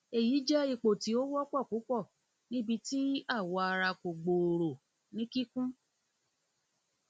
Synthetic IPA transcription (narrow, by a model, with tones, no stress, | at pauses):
e˨ji˨˦d͡ʒɛ˦i˧˨k͡po˨ti˨˦o˦wɔ˦k͡pɔ˦˨ku˨˦k͡pɔ˦˨ | nĩ˦bi˧ti˦a˦˨wɔ˧a˧ɾa˧ko˨ɡ͡bo˨ɾo˨ | nĩ˦ki˦kũ˦